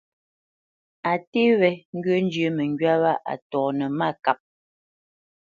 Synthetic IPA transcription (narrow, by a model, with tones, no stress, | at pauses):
a˨te˦βɛ˨ŋ̩˦ɡɥə˦n˦d͡ʒə˦mɛ˨ŋ˨ɡɥa˦βa˦ʔa̰˨tɔː˨nə˨ma˦˨ka˨p̚